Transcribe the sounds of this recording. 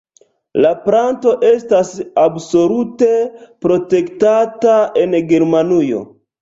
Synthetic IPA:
lapɾanto̞ʔestasabso̞lute̞pɾo̞te̞ktataenɡeɾmanujo̞̰

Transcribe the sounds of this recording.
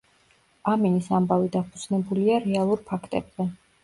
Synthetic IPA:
aminisambavid̪apʰud̪z̥nɛbuliaɾɛalˠuɾpʰakʰt̪ʼɛ̰bz̥ɛ

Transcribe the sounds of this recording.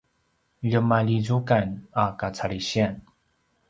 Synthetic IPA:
ʎəmalizukanakat͡sʰaɾiɕɛn

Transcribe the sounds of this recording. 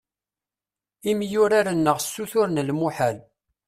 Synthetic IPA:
imjʊɾaɾənːəʁsːuθʊɾnəlmuħal

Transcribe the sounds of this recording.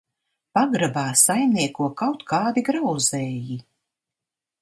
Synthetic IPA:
paɡɾabaːsajmniɛkuɔkawt̪kʰaːd̪iɡɾawzɛːji

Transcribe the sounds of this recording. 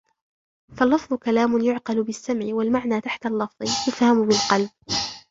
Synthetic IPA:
falːɑfðˤʊkalaːmʊnjʊʕqɑlʊbɪsːamʕɪwalmaʕnaːt̪aħt̪alːɑfðˤɨjʊfhamʊbɪlqɑlb̚

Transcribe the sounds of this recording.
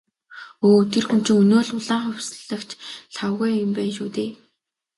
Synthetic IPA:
oːt̪ʰerxɵm̥t͡ɕʰɪ̆ŋɵnoːɮʊɮaːχʊwʲsɮə̆kt͡ɕɬʰawɣujʊ̆mpæːnʃuːt̪eː

